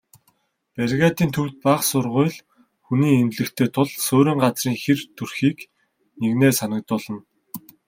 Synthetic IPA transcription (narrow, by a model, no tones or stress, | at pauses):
pæɾʲɣaːt̪iːnt̪ʰɵw̥t̪̚paχsʊrʁʊjɮ | xuniːent̪ɮɘ̆xt̪ʰeːt̪ʰʊɮsoːɾiːɴɢat͡sriːŋxert̪ʰurxiːk | neɣneːsanə̆k̚t̪ʊːɮə̆n